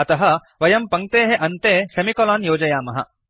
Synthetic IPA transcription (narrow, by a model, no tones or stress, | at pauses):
ɐt̪ɐɦɐ̆ | ʋɐjɐmpɐŋ̚t̪eːɦeʔɐnt̪eːʃɐmikɔlaːnjoːd͡ʒɐjaːmɐɦɐ̰